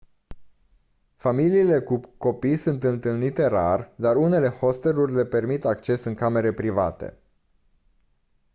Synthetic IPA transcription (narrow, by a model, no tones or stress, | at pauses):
familiːle̞kuko̞pijsunt̪ɨnt̪ɨlnit̪e̞ɾa̰rd̪aɾune̞le̞ho̞st̪e̞lurʲle̞pe̞rmit̪ak̚t͡ʃe̞sɨŋkame̞ɾe̞pɾiva̰t̪e̞̰